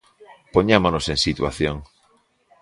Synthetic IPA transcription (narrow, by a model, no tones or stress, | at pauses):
poɲamonoseŋsit̪wa̰θjoŋ